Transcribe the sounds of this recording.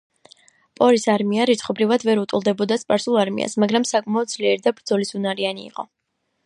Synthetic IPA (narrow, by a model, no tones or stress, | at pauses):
pʼɔɾisaɾmiaɾit̪sʰχɔbɾivad̪vɛɾut̪ʼulˠd̪ɛbɔd̪aspʼaɾsulˠaɾmḭa̰smaɡɾamsakʼmaɔd̪̚zliɛɾid̪abɾd̪zɔlisunaɾianḭːqʼɔ